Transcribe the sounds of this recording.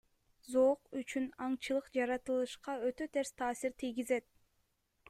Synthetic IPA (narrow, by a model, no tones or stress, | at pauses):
zoːqyt͡ʃynɑɴt͡ʃɯlˠɯqd͡ʒɑɾɑt̪ɯlˠɯʃqɑø̞t̪ø̞t̪ʰe̞ɾst̪ʰɑːsiɾt̪ʰijɡize̞t̪̚